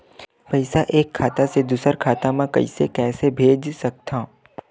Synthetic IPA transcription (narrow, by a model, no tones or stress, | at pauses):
pɐɪsaʔeːkʰːaːt̪ased̪uːsəɾkʰaːt̪amãkɐ̰ḭsḛkɛːsebʱeːd͡ʒsɐk̚t̪ʰaː